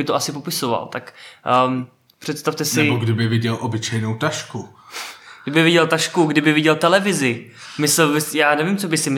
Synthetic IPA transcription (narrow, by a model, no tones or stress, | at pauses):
ɪt̪oʔasɪpopɪsova̰lt̪akː | pr̥ɛt̪st̪aft̪ɛsnɪɛboɡdɪbɪvɪɟɛlʔobɪt͡ʃɛjnowt̪aʃku | ɡdɪbɪvɪɟɛlt̪aʃkuɡdɪbɪvɪɟɛlt̪ɛlɛvɪzɪmɪsɛlbɪsjaːnɛvimt͡sobɪsɪmɪ